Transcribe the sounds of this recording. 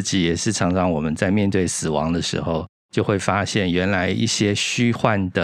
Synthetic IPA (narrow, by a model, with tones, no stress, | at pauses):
t͡ɕi˨˥jɛ˨˩ʂɻ̩˥˩ʈ͡ʂʰɑ˧˥ŋʈ͡ʂʰɑ˧˥ŋwɔ˨˩mə˦nt͡sa˥˧ɪmjɛ˥˧nt̪we˥˩ɪsɹ̩˨˩wɑ̰˧˥ŋd̪ə˧ʂɻ̩̰˧˥xo˥˧ʊ | t͡ɕjo˥˧ʊxwe˥˩ɪfa˥ɕjɛ˥˩nɥɛ˧˥nla˧˥ɪʔḭ˥˩ɕjɛ˥ɕy˥xwa˥˩nd̪ə˩